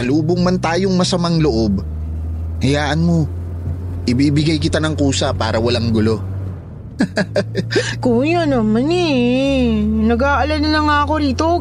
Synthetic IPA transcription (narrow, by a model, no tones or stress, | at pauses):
kɐluːboŋmɐnt̪aːjoŋmɐsɐmaŋloʔo̞b̚ | kɐjaːʔɐnmo̞ | ʔɪbibɪɡajkɪt̪anɐŋkuːsɐpaːɾɐwɐlaŋɡʊlo̞ | koŋjanɐmɐnɛ | nɐɡaʔɐlɐnɐnɐŋaːɐko̞ɾiːt̪o̞